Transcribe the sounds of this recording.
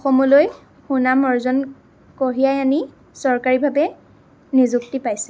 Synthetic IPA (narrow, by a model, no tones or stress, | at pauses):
ɔxɔmɔloj | xunamɔɹzɔn | koɦijajani | sɔɹkaɹibʱabɛ | nizuktipajsɛ